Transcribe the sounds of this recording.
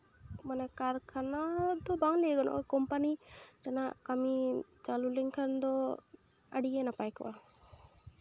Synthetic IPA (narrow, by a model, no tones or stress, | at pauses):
manɛkaɾkʰanad̪ɔbaŋlɛɡɔnɔ̰ʔkɔmpaniʈanaʔkamit͡ʃalulɛŋkʰand̪ɔ | aɽijɛnapajkɔ̰ʔa